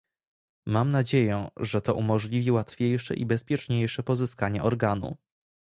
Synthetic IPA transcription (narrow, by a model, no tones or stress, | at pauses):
mamnad͡ʑejɛ̃ʐɛt̪ɔʔumɔʐlʲivʲiwat̪fʲjejʂɛ̰ʔḭbɛspʲjɛt͡ʂɲejʂɛpɔzɘskaɲɛʔɔɾɡanṵ